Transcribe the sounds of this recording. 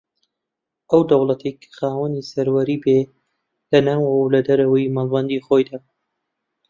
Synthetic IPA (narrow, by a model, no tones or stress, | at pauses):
ʔɐwd̪ɐwlˠɐt̪ʰejkʰɨ̥xaːwənisɐɾwɐɾiːbe | lɐnawɐwwlɐd̪ɐɾɐwəjmalˠmɐnd̪iːxojd̪aː